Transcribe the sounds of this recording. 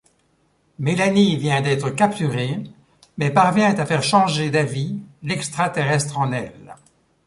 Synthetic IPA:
melanivjɛ̃d̪ɛt̪χəkapt̪yʁe | mɛpaʁvjɛ̃t̪afɛʁʃɑ̃ʒed̪avilɛkst̪χat̪eʁɛst̪χɑ̃nɛl

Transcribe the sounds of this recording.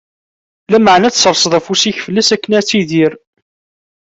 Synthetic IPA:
læməʕnæt͡ssəɾˤsðˤæfusiçfəlːæsækːənæt͡sːiðiɾ

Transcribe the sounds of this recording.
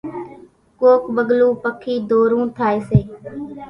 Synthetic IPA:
koːkɓəɠlũːpəkʰːiːd̪ʱoːɾũːt̪ʰaːeːseː

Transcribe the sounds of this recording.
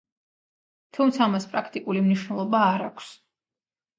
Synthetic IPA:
t̪ʰumt̪sʰaːmaspʼɾakʰt̪ʼikʼulimniʃwnɛlˠɔbaːɾakʷʰs

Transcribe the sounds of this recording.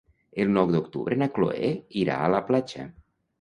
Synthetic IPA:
elˠnɔwd̪okt̪ṵβɾʔenaklo̰ḛiɾa̰ːlaplat͡ʃa̰

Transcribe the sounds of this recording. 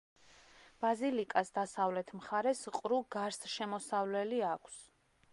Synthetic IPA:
b̥azilikʼasd̪asavlɛt̪ʰmχaɾɛsqʼɾuɡaɾsʃɛmɔsavlɛliakʷʰs

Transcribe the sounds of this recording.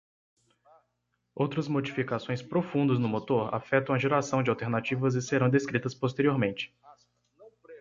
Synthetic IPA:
owt̪ɾɐzmod͡ʒifikasõj̃spɾofũnd̪ɐznʊmot̪oɾa̰fɛt̪ɐ̃w̃ɐʒeɾasɐ̃w̃d͡ʒɪawt̪eɾnat͡ʃivɐzɪseɾɐ̃w̃d̪eskɾit̪ɐspos̬t̪eɾioɾmẽnt͡ʃɪ̥

